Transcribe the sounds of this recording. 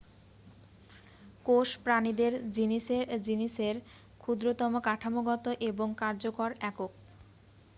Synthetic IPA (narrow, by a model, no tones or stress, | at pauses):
koʃpɾanid̪eɾd͡ʑiniʃeɾd͡ʑiniʃeɾ | kʰud̪ɾot̪ɔmokaʈʰamoɡɔt̪oʔeboŋkaɾd͡ʑokoɾɛkok̚